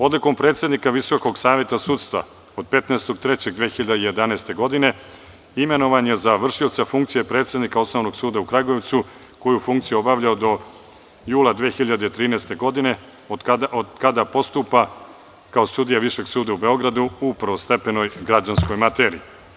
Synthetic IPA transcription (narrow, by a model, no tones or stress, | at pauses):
o̞d̪liko̞mpɾet̪sjed̪nikaʋiso̞ko̞ɡsaːʋje̞t̪asuːt̪st̪vʋa̰ | o̞d̪̚pe̞t̪neːst̪o̞ɡ̚t̪ɾet͡ɕe̞ɡ̚d̪ʋeːxiʎad̪eije̞d̪anaest̪e̞ɡo̞d̪ine̞ | ime̞no̞ʋaɲjezaʋr̩ʃiot̪safuŋkt̪sijepɾe̞ːt̪sje̞d̪nikao̞sno̞ʋno̞ɡsuːd̪aukɾaɡoeʋt̪su | ko̞jufuŋkt̪sijeobaʋʎaod̪o̞ | juːlˠad̪ʋeːxiʎad̪eit̪ɾiːnɛːst̪e̞ɡo̞d̪ine̞ | od̪kad̪apo̞st̪upa | kao̞sud̪ijaʋiʃe̞ɡsuːd̪aube̞o̞ɡɾad̪uupr̩ʋost̪e̞peno̞jɡɾad͡ʑansko̞jmat̪eːɾḭi